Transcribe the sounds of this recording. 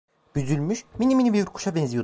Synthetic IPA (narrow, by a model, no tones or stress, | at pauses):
b̥yzylʲmyʃminiminʲibiuɾkʰu̥ʃabɛnzijo